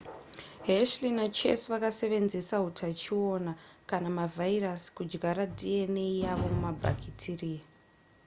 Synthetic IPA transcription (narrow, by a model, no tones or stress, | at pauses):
ɦeʃlinat͡ʃe̞̰sʋakase̞ʋe̞nzesaɦutʰat͡ʃio̞nakanamavairaskud͡ʒɡaɾadʱieneijaʋo̞mumabʱa̰kʰitʰiri